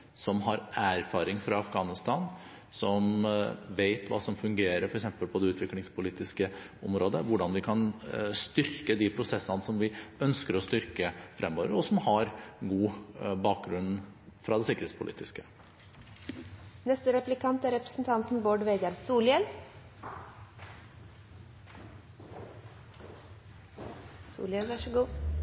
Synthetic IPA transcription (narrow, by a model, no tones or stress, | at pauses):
sɔmɦɑɾæːɾfɑːɾɪŋfɾɑɑfɡɑːnɪst̪ɑn | sɔmʋeɪt̪ʋɑ̰ːsɔmfʉŋɡeːɾəɾfɔɾɛksɛmpəlpʰɔd̪ɛʉːt̪ʰʋɪklɪŋspʰʊliːt̪ɪskə | ɔmɾoːd̪əʋʊɖɑnʋɪkʰɑnst̪ʏɾkəd̪ɪpʰɾʊsɛsːənəsɔmʋɪœnskəɾɔst̪ʏɾkəfɾʔɛmːoːʋəɾɔsɔmhɑɾɡuːbɑːk̚ɡɾʉnːfɾɑd̪ɛsɪkəɾhet̪spʰʊlḭːt̪ɪskə̥ | nɛst̪əɾɛplɪkʰɑnt̪æɾɛpɾə̥sn̩t̪ʰɑnt̪n̩boːɖʋeːɡɑɾsuːljɛl | sṵːljɛlʋɑʂəɡuː